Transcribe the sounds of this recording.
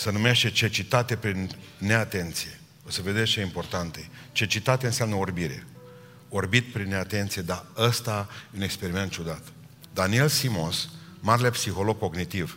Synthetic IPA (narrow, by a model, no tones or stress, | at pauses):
sənumeʃt̪e̞t͡ʃe̞t͡ʃit̪at̪e̞pɾinː | e̞at̪e̞nt̪sije̞ | o̞səve̞d̪e̞st͡ʃeimpo̞rt̪ant̪et͡ʃe̞t͡ʃit̪at̪eɨnseamnəorbiɾe̞̰ | orbit̪̚pɾinːe̞at̪e̞nt̪sijed̪aəst̪ajeune̞kspe̞ɾime̞nt̪̚t͡ʃud̪at̪ | d̪anie̞lsimonsmaɾelepsixo̞lo̞ɡ̚ko̞ɡnit̪iv